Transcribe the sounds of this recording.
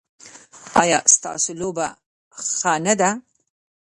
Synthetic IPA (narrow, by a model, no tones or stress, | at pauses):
ɑjɑːst̪ɑ̰ːsoloba | xɑnad̪a